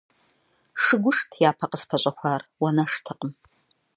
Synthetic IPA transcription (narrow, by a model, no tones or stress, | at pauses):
ʂɨɡʷʊʂtʰjaːpʰɐqəspʰɐɕʼɐχʷaːrwɐnɐʂtʰɨqʼəm